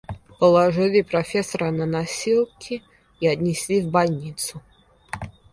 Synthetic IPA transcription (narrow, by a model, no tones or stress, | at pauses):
pəlˠɐʐɨlʲipɾɐfʲesɐɾənɐnasʲilˠkʲʰɪ | iɐt̪nʲɪsʲlʲivbalʲnʲit̪sʊ